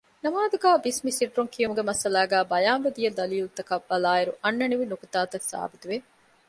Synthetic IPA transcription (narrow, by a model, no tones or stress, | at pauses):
nɐmaːd̪uɡæːbismisiɖɾuŋkʰijumuɡemɐsɐlaːɡæːbɐjaːmbed̪ijɐd̪ɐliːlut̪ɐkɐʋːɐlaːiɾuʔɐnːɐniʋinukut̪ːaːt̪ɐsa̰ːbit̪uʋe